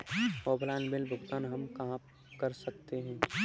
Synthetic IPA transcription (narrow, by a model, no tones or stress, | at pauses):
ɔːblaːnbɪlbʱʊɡd̪aːnɦɐmkɐɦã | kɐɾsəkt̪eɦɛ̃ː